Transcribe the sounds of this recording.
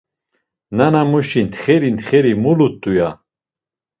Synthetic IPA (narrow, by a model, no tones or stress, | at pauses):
nanamuʃint̪χɛɾint̪ʰχɛɾimulut̪ʼːuja